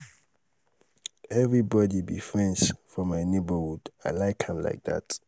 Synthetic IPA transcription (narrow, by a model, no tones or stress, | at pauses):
ɛvɹibɔdibḭfɹɛ̃nsfɔmajnebəhuda̰laɪkʰãmla̰ɪk̚ða̰t